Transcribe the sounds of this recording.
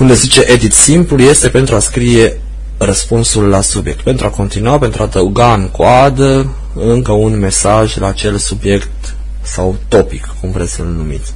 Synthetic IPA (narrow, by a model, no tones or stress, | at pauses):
und̪ezit͡ʃe̞ʔe̞d̪it̪simpluje̞st̪e̞pe̞nt̪ɾuaskɾije̞ | rəspunsulːasubje̞k̚t̪̚pe̞nt̪ɾuako̞nt̪inuapent̪ɾʔuad̪əuɡaɨŋkwad̪ə | ɨŋkəunme̞saʒlaːt͡ʃe̞lsubje̞kt̪ | sawt̪o̞pikːumvut̪e̞t̪sʲəlnumḭt̪sʲ